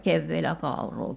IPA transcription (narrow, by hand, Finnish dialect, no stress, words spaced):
keʋːeːlæ kɑˑu̞roː